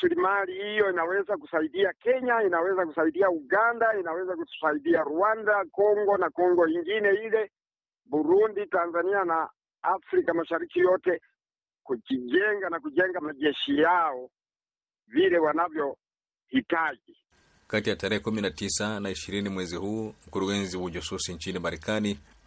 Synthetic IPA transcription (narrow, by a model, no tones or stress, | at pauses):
slimalihijɔinawɛzakusaiɗiakɛɲainawɛzakusaiɗiauɡandainawɛzakutu̥saiɗiaɾuandakɔŋɡɔnakɔŋɡɔiŋɡinɛilɛ | buɾunditanzaniana | afɾikamaʃaɾikijɔtɛ | kut͡ʃiʄɛŋɡanakuʄɛŋɡamaʄɛʃijaɔ | vilɛwanavjɔ | hitaʄi | katijataɾɛhɛkuminatisanaiʃiɾinimwɛzihuːm̩kuɾuɡɛnziwaʄususiɲt͡ʃinimaɾɛkani